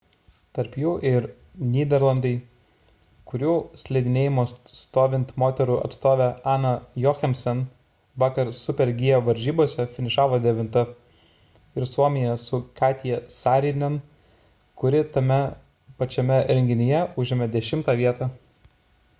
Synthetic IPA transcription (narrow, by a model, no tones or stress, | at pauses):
t̪ɐɾpjuːʔɪɾ | nʲiːd̪ʲɛɾlˠɐnd̪ɐɪ | kʊɾʲuːsʲlʲɛɪd̪ʲɪnʲeːjɪmoːst̪oːʋʲɪnt̪moːt̪ʲɛɾuːɐ̰t̪st̪oːʋʲɛɑːnɐjɔxʲɛmʲsʲɛn | ʋɑːkɐɾsʊpʲɛɾʲɡʲɪjoʋɐɾʲʒʲiːboɔsʲɛfʲɪnʲɪʃɑːʋoːd̪ʲɛʋʲɪnt̪ɐ | ɪɾsuɔmʲɪjɛsʊkɑːt̪ʲɪjɛsɑːɾʲinʲɛn | kʊɾʲɪt̪ɐmʲɛ | pɐt͡ʃʲɛmʲɛɾʲɛŋʲɡʲɪnʲɪjɛʊʒʲɪmʲɛd̪ʲɛʃʲɪmt̪ɑːʋʲiɛt̪ɑː